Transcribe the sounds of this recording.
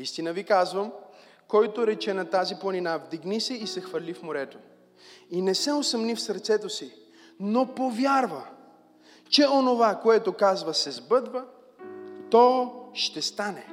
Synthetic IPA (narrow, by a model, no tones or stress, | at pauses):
ist̪inəvikazvəm | kɔjt̪oɾɛt͡ʃɛnɐt̪aziplˠɐninavd̪iɡnisɛisɛxfɐɾlifmoɾɛt̪o | inɛsɛosɐmnifsɐɾt̪sɛt̪osi | nopovjaɾvə | t͡ʃɛonovakoɛt̪okazvəsɛzbɤd̪və | t̪ɔʃt̪ɛst̪anɛ